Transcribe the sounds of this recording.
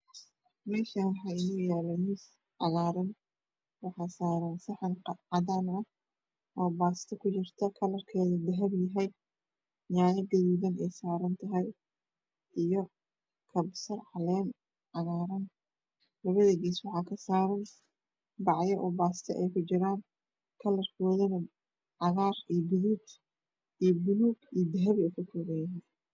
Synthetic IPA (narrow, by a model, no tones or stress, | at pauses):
mɛːʃɐnwɑħɑːɪjʊjaːlɐnis | ʕɑɣaːɾɐn | wɑħɑːsaːɾansɐħɑnqʕɑðaːnɐh | ʔɔːbaːst̪ʰɐkʰʊt͡ʃɪrt̪ʰɐkʰɐlɐrkʰɛːðɐd̪ɐɦɐbjɐɦɛj | ɲaːjɐd̪ɪwuːɣɐnɛjsaːɾɐnt̪ʰɐɦɛj | ʔijɔ | kʰɐbsɐrħɑlɛːn | ʕɑɣaːɾɐn | lɐβɐðɐɡiːswɑħɑːkʰɐsaːɾɐn | bɑʕjɐʔɔːbaːst̪ʰɐʔɛjkʰʊt͡ʃɪɾaːn | kʰɐlɐrkʰɔːðɐnɐ | ʕɑɣaːrijbʊðuːɡ | ʔijbʊnuːɡijd̪ɐɦɐβɛkʰʊk̪ʰʊːɣɛjɐɦɛ